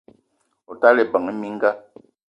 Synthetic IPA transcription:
ɔ˨ta˦le˨bə˨ŋe˦mi˦ŋ̩˦ɡa˦

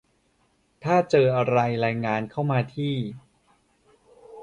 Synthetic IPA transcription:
t̪ʰaː˥˩t͡ɕɤː˧ʔa˧ɾa˧jɾaː˧jŋaː˧nkʰa˥˩wmaː˧t̪ʰiː˥˩

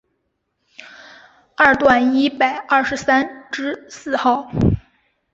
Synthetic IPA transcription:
a˥˩ɻt̪wa˥˩ni˥pa˨˩ɪʔɐ˥˩ʂɻ̩˧˥sa˥nʈ͡ʂɻ̩˥sɹ̩˥˧xɑ˥˩ʊ

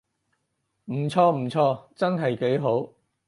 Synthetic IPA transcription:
m̩˨˩t͡sʰɔː˧m̩˨˩t͡sʰɔː˧t͡sɐ˥nɦɐ˨jke˨˥jɦo˨˥w

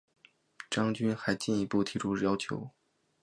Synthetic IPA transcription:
ʈ͡ʂɑ˥ŋt͡ɕy˥nxa˧˥ɪt͡ɕi˥˩ni˧˥pu˥˩t̪ʰi˧˥ʈ͡ʂʰu˥jɑ˥ʊt͡ɕʰjo̰˧˥ʊ

